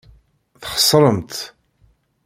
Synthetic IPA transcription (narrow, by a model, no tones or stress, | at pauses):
θχə̥sˤɾˤəmt̪